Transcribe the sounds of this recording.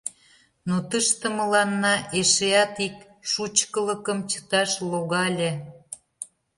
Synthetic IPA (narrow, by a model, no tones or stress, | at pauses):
not̪əʃt̪ə̆mə̆lɑnːɑʔeʃeɑt̪ik | ʃut͡ɕkələ̆kə̆mt͡ɕə̥t̪ɑʃloɣɑlʲe